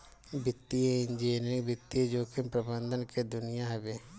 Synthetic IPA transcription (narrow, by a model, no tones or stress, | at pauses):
bʱɪt̪ːieɪ̃nd͡ʒeːnɾɪ̃ŋbʱɪt̪ːied͡ʒoːkʰɪmpɾəbə̃nd̪ʱənked̪ʊnɪjaɦɛbeː